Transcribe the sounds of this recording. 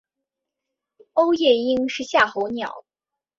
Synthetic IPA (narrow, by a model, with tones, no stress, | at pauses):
o˥ʊjɛ˥˩i˥ŋʂɻ̩˥˧ɕja˥˩xo˧˥ʊnjɑ˨˩˦ʊ